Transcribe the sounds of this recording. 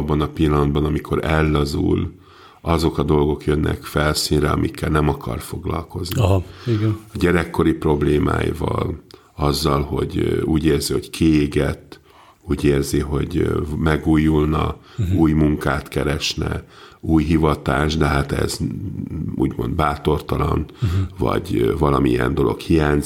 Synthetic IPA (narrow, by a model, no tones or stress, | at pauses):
ɒbːɒnɒpilːɒnnd̪̚bɒnɒmikʰo̞ɾɛlːɒzṵl | ɒzo̞kɒd̪o̞lɡo̞kjønːʔɛ̰kfɛlsinrɛɒmʔikʰːɛlnɛmɒkɒ̰rfo̞ɡlɒ̰lko̞zniiɡnɒɟɛɾɛkːo̞ɾipro̞bleːma̰ːjḭvɒ̰l | ɒzːɒlho̞̰ɟuːɟeːrziho̞ckʰieːɡɛt̪ː | uːɟeːrziɦo̞ɟmɛɡuːjulnɒ | uːjmuŋkaːt̪kɛɾɛʃnɛuːjɦivɒt̪aːʒd̪ɛɦat̪ɛ̰z | uːɟmo̞̰nd̪̚baːt̪o̞rt̪ɒlɒnvɒ̰ɟvɒlɒmiɛ̰nd̪o̞lo̞̰khijaːɲz